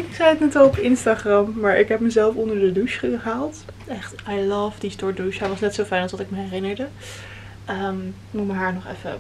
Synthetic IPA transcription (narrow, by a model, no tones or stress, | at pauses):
ɪksɛjətnɛtɔlˠɔpɪnstaχrɑmːaːɹʔɪkɦɛpməzɛlˠfɔndəɹdəduʃχəaːlˠt | ɛχtajlʌvdistɔɹduʃɦɛjʋɑsnɛtsowfɛjnɑlˠsdɑtɪkməɦɛrɪnəɹdə | əm | mutməɦaːɹnɔχɛ̰fə̰